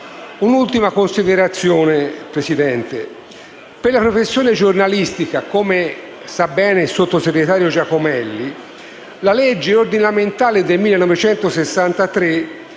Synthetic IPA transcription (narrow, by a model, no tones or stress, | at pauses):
unult̪imakonsid̪eɾat̪sːjoːnepɾesid̪ɛnt̪e | perlapɾofesːjoːned͡ʒornalist̪ikakome | sabːɛːnesot̪ːoseɡɾet̪aːɾjod͡ʒakomɛlːi | laled͡ʒːeord̪inament̪aːled̪elmilːenɔvet͡ʃɛnt̪osesːant̪at̪ɾe